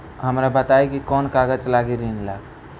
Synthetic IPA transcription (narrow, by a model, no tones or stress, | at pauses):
ɦəmɾabət̪ajkikɔnkaɡəd͡ʒlaɡiɾinlaɡ